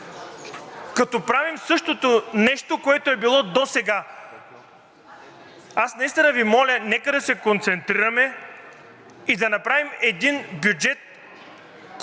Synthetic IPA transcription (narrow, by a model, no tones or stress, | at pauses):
kɐt̪ɔpɾavimsɤʃt̪ot̪onɛʃt̪okoɛt̪oɛbilˠɔd̪osɛɡa | asnɐist̪inɐvimɔlʲɐnɛkəd̪ɐsɛkont̪sɛnt̪ɾiɾɐmɛ | id̪ɐnɐpɾavimɛd̪inbjud͡ʒɛt̪̚